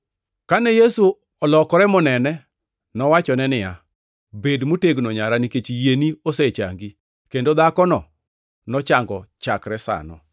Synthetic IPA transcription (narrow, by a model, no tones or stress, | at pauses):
kanɛjesu | ɔlɔkɔɾɛmɔnɛnɛ | nɔwat͡ʃɔnɛnɪja̰ | bedmoteɡnɔɲaɾaniket͡ʃijenioset͡ʃa̰ŋɡi | kendod̪akɔnɔ | nɔt͡ʃaŋɡɔt͡ʃakɾɛsa̰nɔ̰